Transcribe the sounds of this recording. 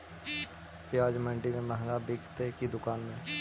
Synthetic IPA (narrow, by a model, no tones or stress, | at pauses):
keaːd͡ʒmə̃ɳʈimẽməɦŋɡabeːkʰt̪ekid̪ʊkaːnmẽ